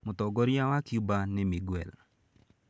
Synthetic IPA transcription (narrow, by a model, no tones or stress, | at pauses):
mʊt̪ɔɡɔɾjawakjubanɛmiɡwɛl